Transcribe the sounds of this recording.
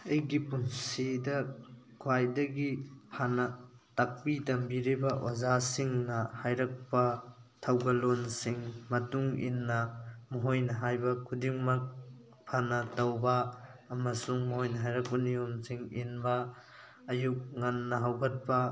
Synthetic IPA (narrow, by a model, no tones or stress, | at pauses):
ɐjɡipunsidɐkʰuajdɐɡipʰanɐ | tak̚pitɐmbiɾibɐʔozasiŋnɐhajɾɐk̚pɐtʰɐwɡɐlonsiŋmɐtuŋḭnːɐmɐɦojnɐɦajbɐkʰudiŋmɐk̚ | pʰanɐtɐwbɐːmɐsuŋmɐɦojnɐɦajɾɐk̚pɐnijomsiŋḭnbɐː | juk̚ŋɐnːɐɦawɡɐt̚pɐ